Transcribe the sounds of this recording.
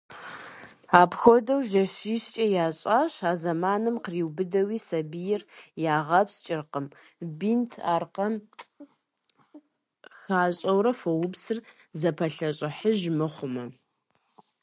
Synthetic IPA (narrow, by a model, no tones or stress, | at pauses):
aːpxʷɔdɐwʒɐɕiːɕt͡ʃʼɐjaːɕʼaːɕaːzɐmaːnɨmqriːwbɨdɐwiːsɐbijɪrjaːʁɐpst͡ʃʼɪrqəm | bintʰaːrqɐm | xaːɕʼɐwɾɐfɐwʊbsɨr | zɐpʰɐɬɐɕʼɪħəʒmɨχʷʊmɐ